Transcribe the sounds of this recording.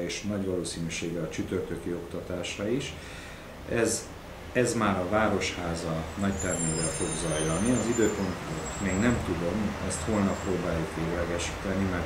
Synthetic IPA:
eːʃnɒɟʋɒloːsiːnyʃeːɡɛɒt͡ʃyt̪ø̞rt̪økio̞kt̪ɒt̪aːʃrɒiʃ | ɛz | ɛzmaːɾɒvaːɾo̞ʃhaːzɒnɒct̪ɛrneːvɛlfo̞ɡzɒjlɒniɒzid̪øːko̞nt̪ot̪meːɡnɛmt̪ud̪o̞mɛst̪ho̞lnɒpːroːbaːjukʋeːɡlɛɡɛʃi̥ːt̪ɛnimɛr

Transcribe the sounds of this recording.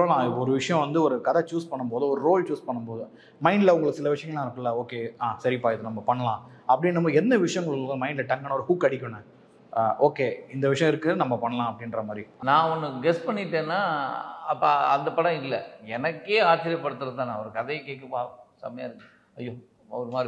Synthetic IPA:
pɾɐlãːɔɾɯʋɪʂɐjɔ̃ʋɐnd̪ɯɔɾɯkɐðɐt͡ʃuːspɐɳːɯmpoːðɯɔɾɯɾoːlt͡ʃuːspɐɳːɯmpoːðɯ | mɐɪɳɖɪlɐʊŋɡɐɭɯkːɯsɪlɐʋɪʂɐjɐ̃ŋɡɐlːãːɪɾɯkːɯlːɐoːkeːaːsɐɾipaːjɐðɯnɐmːɐpɐɳːɐlãː | ɐpːɐɽɪnnɐmːɐɛnd̪ɐʋɪʂɐjɐŋɡɐɭɯkkːmɐɪɳɖɪlɐʈɐŋɡɐnɐɔɾɯhukːɐɽɪkʲːʊɳːɯ | ʔoːkeːɪnd̪ɐʋɪʂɐjɔ̃ɪɾɯkːɯnɐmːɐpɐɳːɐlãːɐpːɐɽɪnɾɐmaːd̪ɾinãːɔnːɯɡɛspɐɳːɪʈːẽːnːaːɐpːaɐnd̪ɐpɐɽɐ̃ɪlːɛɛnɐkːeːaːt͡ʃɪɾɪjɐpːɐɽɯt̪ːɯɾɐðt̪ãːnãːɐʋɐɾɯkɐðɐjkeːkːɐpasɐ̰mɐjaːɪɾɯkːɯ | ɐjːoː | ɐʋɐɾɯmaːɾi

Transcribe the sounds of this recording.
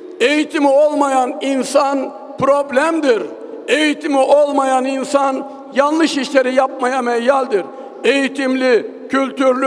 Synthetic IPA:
e̞jit̪ʰimio̞lˠmajaninsan | pɾoblʲæmd̪iɾ | e̞jit̪ʰimiʔo̞lˠmajaninsan | janːˠɯʃiʃlʲe̞ɾijap̚majamɛjalʲd̪iɾ | e̞jit̪ʰimlʲi | cʰylʲt̪ʰyɾlʲy

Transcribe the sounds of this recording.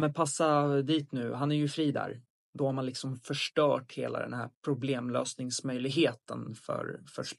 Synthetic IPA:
mɛpʰasːad̪iːt̪nʉ̟ːɦanæɾjɵfɾiːd̪æ̰ːɾ | d̪ɔhaɾmanlɪksɔmfœʂʈœːʈhḛːla̰d̪ɛ̰nhæɾpʰɾʊbleːmløːsnɪŋsmœjlɪɡɦeːt̪ə̰nfœ̰ɾfœʂ

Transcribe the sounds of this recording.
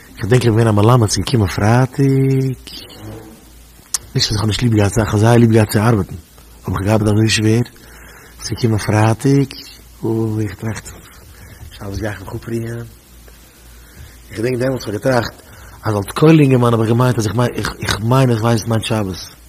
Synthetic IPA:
ɪχdɛŋkɔbvɛnaməlˠamət͡sɪɡəkʰɪmənfɾaːtʰɪk | nɪʃtasɪχhɔnɪʃtlˠiːbɡaːt͡saɪχɔzaɪlˠiːb̚ɡaːtt͡sɪaɾbətn̩ | hɔbɪχɡəaɾbətazoʏʃveːɾ | t͡sɪɡəkʰɪmənfɾaːtɪk | ʊɪχtɾaχt | ʃabəsɡaɪχmɪχʊpɾiŋən | ɪχdɛŋk̚dɛmɔlˠtχɔɡətɾaχt | azɔlˠtkʰoɪlˠɪŋɡəmanɔbɪχɡəmaɪ̃ntas̬ɪχmaɪnɪχɪχmaɪnɪχvaɪssmaɪnʃabəs

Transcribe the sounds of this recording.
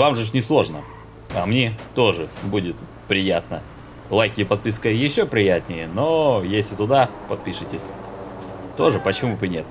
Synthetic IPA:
vamʐɨnʲɪslˠo̞ʐnə | ɐ̰mnʲet̪o̞ʐɨbudʲɪt̪ | pɾʲɪjat̪̚nə | lˠajkʲɪpɐt̪̚pʲiskəjɪɕːopɾʲɪjat̪ʲnʲɪjəno̞jesʲlʲɪt̪ʊd̪apɐt̪̚pʲiʂɨtʲɪsʲ | t̪o̞ʐɨpət͡ɕɪmuvɨnʲe̞t̪

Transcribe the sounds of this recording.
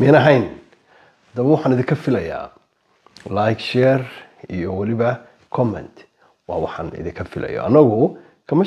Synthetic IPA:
mɛnɐɦɛjn | d̪ɐbwɑħaːnɪðɪŋkʰɐfɪlɐja̰ː | lajkʃɛːrijɔwɑlɪβɐ | kʰɔmɛ̰nt̪ | wɑ̰ːwɑħa̰ːnɪ̰ðɪ̃ŋkʰɐfɪlɛ̰jɔ̰ʔɐ̰nːɐɣʊ | kʰɐmɐ

